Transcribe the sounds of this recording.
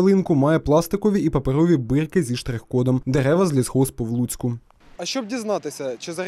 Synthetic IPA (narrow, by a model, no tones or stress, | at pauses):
lˠɪnkʊmɑjɛplˠɑst̪ɪkɔʋʲiʔipɐpeɾɔʋʲibɪrkɪzʲiʃt̪ɾɪxkɔd̪ɔmd̪eɾɛʋɐzʲlʲizhɔspɔwlˠut͡sʲkʊ | ɐʃt͡ʃɔb̚dʲiznɑt̪ɪsʲɐt͡ʃɪzɐɾ